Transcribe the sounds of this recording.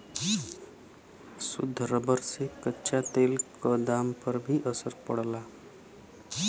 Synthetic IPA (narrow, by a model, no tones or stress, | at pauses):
sʊ̰d̪ʱːəɾəbəɾsekətːʃat̪eːlkəd̪ampəɾbʱiʔəsəɾpəɽla